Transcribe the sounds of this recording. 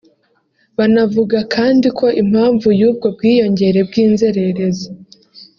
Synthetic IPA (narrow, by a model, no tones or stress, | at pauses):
βanavuɡakʰaːndikʰo̞ʔim̥haːɱvujuːb̚ɡo̞b̚ɡiːjo̞ɲɟe̞ɾe̞b̚ɡiːnze̞ɾe̞ɾeza